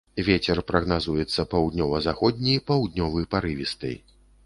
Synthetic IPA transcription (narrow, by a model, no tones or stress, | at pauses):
vʲet͡sʲɛrpɾɐɣnazujɛt̪sːɐpawd̪nʲɔvɐzaxɔd̪ʲnʲijpawd̪nʲɔvɨjpaɾɨvʲist̪ɨ̰j